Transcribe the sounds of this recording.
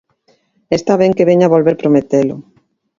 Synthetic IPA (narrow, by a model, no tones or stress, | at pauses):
est̪aβeŋkeβeɲaβolβeɾpɾomet̪elʊ